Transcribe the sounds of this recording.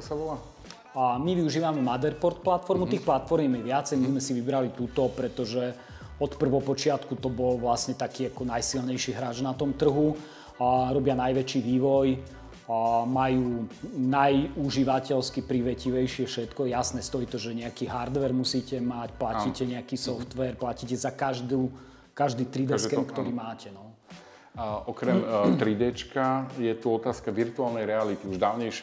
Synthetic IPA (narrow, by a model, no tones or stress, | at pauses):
saʋɔla | miʋiuʒiːʋamɛmad̪ɛɾpɔɾt̪̚plat̪fɔɾmut̪iːxplat̪fɔɾmɛmɛʋɪat͡sɛjmizmɛsiʋibɾalit̪ut̪ɔpɾɛt̪ɔʒɛ | ɔt̪pr̩ʋɔpɔt͡ʃɪat̪kut̪ɔbɔlʋlasɲɛt̪akiːakɔnajsilɲɛjʃiːɦɾaːʒnat̪ɔmt̪r̩ɦu | ɾɔbɪanajʋɛt͡ʃiːʋiːʋɔj | majuːnajuʒiʋacɛlskipɾiʋɛciʋɛjʃɪɛfʃɛt̪kɔɛjasnɛst̪ɔiːt̪ɔʒɛɲɛakiːɦaɾd̪ʋɛɾmusiːcɛmacplacicɛɲɛakiːsɔft̪ʋɛɾplacicɛzakaʒd̪uː | kaʒd̪iːt̪ɾid̪ɛskɛmkt̪ɔɾiːmaːcʰɛnɔ | ʔɔkɾɛmt̪ɾid̪ɛt͡ʃkajɛt̪uɔt̪aːskaʋiɾt̪uaːlnɛjɾɛalit̪iuʒd̪aːʊɲɛjʃ